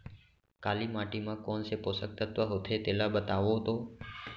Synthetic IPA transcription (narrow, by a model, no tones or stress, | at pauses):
kalimaʈimãkɔnseposək̚t̪ət̪ʋəɦot̪ʰet̪elabət̪aʋot̪o